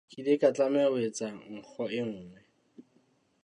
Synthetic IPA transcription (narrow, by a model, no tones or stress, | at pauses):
kʼidekʼat͡ɬʼamɛwet͡sʼaŋ̩k͡xʰɔɪŋ̩ːŋɛ